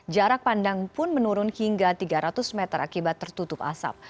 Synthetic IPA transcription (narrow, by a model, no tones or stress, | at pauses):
d͡ʒaɾak̚pandaŋpʊnmənuɾʊnhiŋɡat̪iɡaɾat̪ʊsmɛt̪ərakibat̪ːərt̪ut̪ʊpa̰sa̰p̚